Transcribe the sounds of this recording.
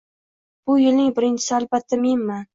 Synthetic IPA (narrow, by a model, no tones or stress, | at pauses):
b̥ʊjɪlnɪŋbɪɾɪnt͡ʃʰɪ̥sɪalbat̪ʰːamenman